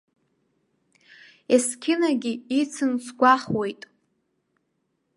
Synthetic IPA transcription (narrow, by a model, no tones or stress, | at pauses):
eskʲʰɪnaɡʲɪit͡sʰɨnt͡sʰɡʷaχwe̞jtʼ